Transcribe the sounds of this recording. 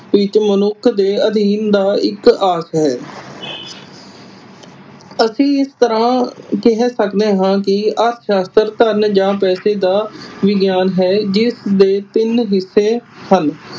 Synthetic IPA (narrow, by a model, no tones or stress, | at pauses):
ʋɪt͡ʃmənʊkʰd̪eːəd̪ʱiːnd̪aːɪkaːsɦɛː | əsĩːɪst̪əɾãːkɛɦɛ̃ːsəkd̪eːɦãːkɪəɾt̪ʰʃaːst̪əɾt̪əɾnd͡ʒãːpɛːseːd̪aːʋɪɡjaːnɦɛːd͡ʒɪsd̪eːt̪ɪnɦɪsːeːhən